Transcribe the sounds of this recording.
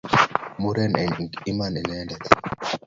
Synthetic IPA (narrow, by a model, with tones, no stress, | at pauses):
mu˦ɾɛ˦nɛ˨i˦ma˦nɛ˨nɛ˦ndɛ˨t̪